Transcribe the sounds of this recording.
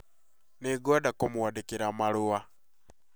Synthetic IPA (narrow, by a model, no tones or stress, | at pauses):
neɡɔdakomwadekeɾamaɾua